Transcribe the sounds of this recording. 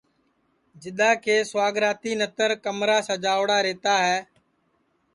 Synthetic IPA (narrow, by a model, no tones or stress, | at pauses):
d͡ʒɪɗ̪aːkʰeːswaːɡɾaːt̪iːnət̪əɾkəmɾaːsəd͡ʒaːʋɽaːɾeːt̪aːɦɛː